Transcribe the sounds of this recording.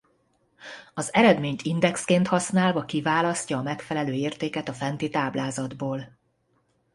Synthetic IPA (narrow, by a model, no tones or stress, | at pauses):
ɒzɛɾɛd̪meːɲt̪ʰind̪ɛkskeːnt̪hɒsnaːlvɒkivaːlɒscɒːmɛkfɛlɛløːeːrt̪eːkɛt̪ɒfɛnt̪it̪aːblaːzɒd̪boːl